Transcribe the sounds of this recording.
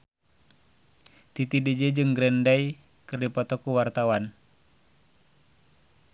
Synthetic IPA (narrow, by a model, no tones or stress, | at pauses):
t̪it̪idid͡ʒed͡ʒɨŋɡɾɛndaj | kɨrdipɔt̪ɔkuwart̪awan